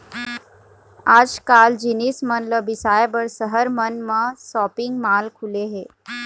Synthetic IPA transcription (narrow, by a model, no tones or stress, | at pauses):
aːd͡ʒkaːld͡ʒinismənləbɪsaːjbəɽsəɦəɾmənmãsɔːpɪŋɡmaːlkʰuleɦeː